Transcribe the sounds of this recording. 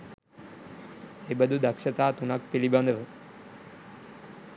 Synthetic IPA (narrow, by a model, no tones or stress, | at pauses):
ebəd̪ʱud̪əkʃət̪aːt̪unak̚pilibãnd̪ʱəʋə